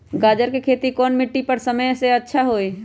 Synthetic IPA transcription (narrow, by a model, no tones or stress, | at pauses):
ɡaːd͡ʒəɾkekʰeːt̪ikɔːnmɪʈːipəɾsəməjseɐtːʃʰaɦoːi